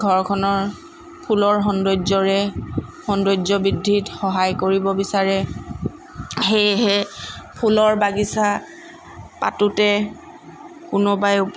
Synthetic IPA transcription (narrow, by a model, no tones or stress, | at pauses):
ɡʱɔɹkʰɔnɔɹ | pʰulɔɹxɔndod͡ʒɔɹɛxɔndod͡ʒɔbidʱːitxɔɦajkoɹibɔbisaɹɛ | xejɦɛpʰulɔɹbaɡisa | pa̰tutɛ | kʊnɔbajʊp